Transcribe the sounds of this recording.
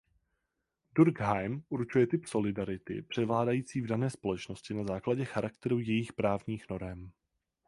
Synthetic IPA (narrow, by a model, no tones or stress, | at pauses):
duɾɡɦajmʔuɾt͡ʃujɛt̪ɪpso̞lɪdaɾɪt̪ɪ̰pr̝̥ɛvlaːdajiːt͡siːvdanɛːspo̞lɛt͡ʃno̞scɪnazaːklaɟɛxaɾakt̪ɛɾujɛjɪxpɾaːvɲiːxno̞ɾɛm